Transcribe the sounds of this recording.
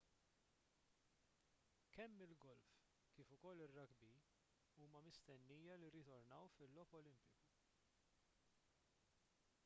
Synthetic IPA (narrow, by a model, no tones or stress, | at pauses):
kɛmːɪlɡɔlf | kiːfʊkɔlːɪrːɐɡbi | uːmɐmɪst̪ɛnːiːjɐliɾɪt̪ɔɾnɐwfɪlːɔːpɔlɪmpɪku